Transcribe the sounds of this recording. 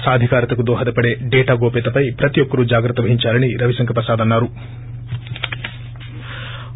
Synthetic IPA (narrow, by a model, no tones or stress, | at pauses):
saːd̪ʱikaːɾɐt̪ɐkud̪ɔːɦɐd̪ɐpɐɽeɖɛːʈaːɡoːpeːt̪ɐpɐjpɾɐt̪ijɔkːɐɾud͡ʒaːɡɾɐt̪ːɐʋɐɦiɲt͡ʃaːɾɐniɾɐʋisɐŋkʰɐpɾɐsaːd̪ɐnːaːɾu